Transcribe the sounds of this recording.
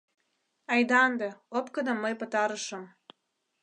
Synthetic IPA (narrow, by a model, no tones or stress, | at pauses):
ɑjd̪ɑnd̪eopkɤ̆d̪ɑmːəjpɤ̆t̪ɑɾə̆ʃɤ̆m